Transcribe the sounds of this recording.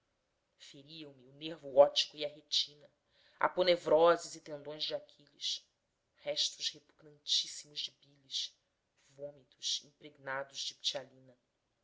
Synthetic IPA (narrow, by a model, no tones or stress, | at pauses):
feɾiɐ̃w̃miuneɾvʊɔt͡ʃi̥kʊiɐɦet͡ʃĩnɐ | a̰ponevɾɔzɪzit̪ẽnd̪õj̃zd͡ʒɪakʰiʎiʃ | hɛʃt̪ʊʃhepuɡnɐ̃nt͡ʃisimʊʒd͡ʒɪbiliʃ | võmit̪ʊʃĩmpɾeɡnad̪ʊzd͡ʒɪpt͡ʃialĩnɐ